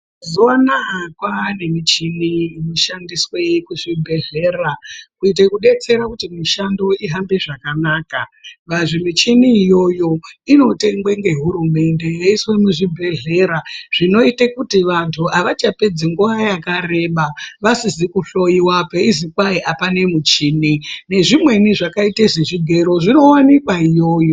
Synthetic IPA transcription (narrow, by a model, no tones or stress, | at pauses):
ziwanakwane̞mit͡ʃinimoʃandiswekuʐibʱe̞ɮe̞ːrakuit̬ekuɗe̞t͡se̞ɾakutimiʃando̞iɦambe̞ʐakanaːkaʋaʐimit͡ʃinijo̞jo̞ino̞te̞ŋɡwe̞ŋɡe̞ɦuɾume̞nde̞jeiswemuʐibʱe̞ɮe̞ːɾaʐ̥ino̞itekutiʋantʰuʔaʋat͡ʃape̞d͡ziŋɡuʋajakare̞ɓaʋasizikuɬo̞iwapeizikwaiʔapane̞mut͡ʃiːnine̞ʐimwe̞niʐakaiteʐeʐiɡʱe̞ɾo̞ʐino̞wanikwaijo̞ːjo